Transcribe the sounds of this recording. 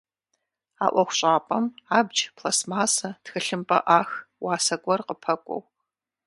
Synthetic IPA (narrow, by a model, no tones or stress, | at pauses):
a̰ːʔʷɔxʷɕʼaːpʼɐmaːbd͡ʒpʰlasmaːsɐtxɨɬɨmpʼɐ̰ʔaːxwaːsɐɡʷɔrqəpʰɐkʷʼɔ̰w